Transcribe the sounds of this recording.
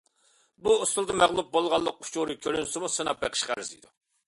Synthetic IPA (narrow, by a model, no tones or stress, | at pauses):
buust̪ulˠd̪ɨmæʁlˠup̚bolˠʁɑlˠːəq̚ʰʊ̥t͡ʃuɾɨkʲʰøɾynsɪmusɨnɑp̚beqʰə̥ʃqæ̰ɾɪzḭd̪u